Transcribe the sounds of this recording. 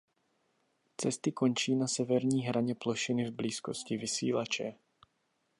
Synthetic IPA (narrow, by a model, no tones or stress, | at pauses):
t͡sɛst̪ɪko̞nt͡ʃiːnasɛvɛɾɲiːɦɾaɲɛploʃɪnɪvbliːsko̞scɪvɪsḭːlat͡ʃɛ